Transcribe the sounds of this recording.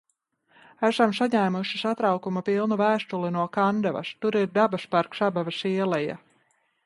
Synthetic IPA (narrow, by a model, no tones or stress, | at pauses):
æsamsaɲæːmuʃisat̪ɾawkumapilˠnuvæːst̪ulinuɔkand̪ɛva̰st̪uɾiɾd̪abaspaɾksabavasiɛlɛja̰